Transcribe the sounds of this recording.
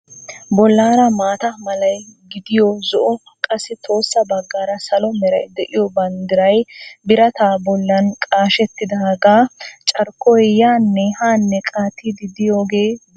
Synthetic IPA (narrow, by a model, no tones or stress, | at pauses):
bɔlːaːɾɐmaːt̪ɐmɐlɐjɡɪd̪ɪjɔzɔʔɔ | kʼɐsːɪt̪ʰo̞ːsːɐbɐɡːaːɾɐsɐlɔmɛɾɐ̰jd̪ɛʔɪjɔbɐnd̪ɪɾɐjbɪɾɐt̪aːbɔlːɐnkʼaːʃɛt̪ːɪd̪ɐhɐɡaːt͡ʃʼɐɾkːɔjjaːnːɛhaːnːɛkʼaːt̪ʰːid̪ɪd̪ɪjoːɡe̞ː